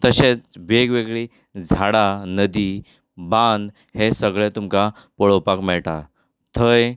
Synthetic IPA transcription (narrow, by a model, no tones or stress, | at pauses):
t̪əɕẽt͡sʋeɡʋeɡɭi | d͡zʱaɽanəd̪iː | bãnd̪ | hesəɡɭɛt̪umka | pəɭopakmɛɭʈa | t̪ʰəj